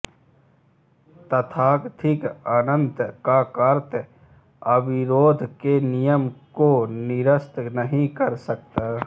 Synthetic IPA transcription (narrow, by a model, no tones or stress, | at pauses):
t̪ət̪ʰaːkt̪ʰɪkanə̃nt̪kakaɾt̪ | əbɪɾoːd̪ʱkenijəmkonɪɾəst̪nəɦĩkəɾsək̚t̪aː